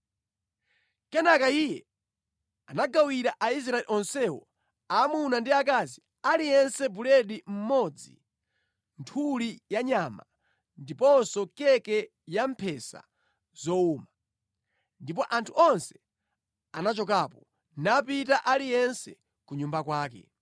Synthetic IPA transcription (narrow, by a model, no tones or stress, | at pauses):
kɛnakaijɛ | anaɡawiɾaʔais̬ɾaɛliʔɔnsɛwɔ̰ | amunandiak̬azi | alijɛnsɛbulɛɗim̩mɔd͡zḭ | ntʰulijaɲama̰ | ndipɔnsɔkɛkɛ | jam̩pʰɛsa̰ | z̥ɔuma | ndip̬ɔʔantʰuɔnsɛ̥ | anat͡ʃɔk̬aːpɔ | napitaʔalijɛnsɛ | kuɲumbakwaːkɛ̰